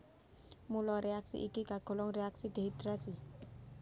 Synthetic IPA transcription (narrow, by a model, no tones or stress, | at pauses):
mulɔɾeaksḭʔikiɡ̥a̤ɡ̥ɔ̤lɔŋreakside̤it̪ɾasi